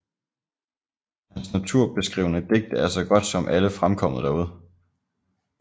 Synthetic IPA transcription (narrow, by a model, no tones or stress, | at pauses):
hænsnæt͡sʰuɐ̰b̥e̝sɡ̥ʁḭʊ̰ənəd̥e̝ɡ̥̚d̥æɐsɒ̽ɡ̥ɒ̽d̥sɒ̽mʔæləfʁamkʰɒ̽m̰ð̩ˠd̥æɐuð̞̰ˠ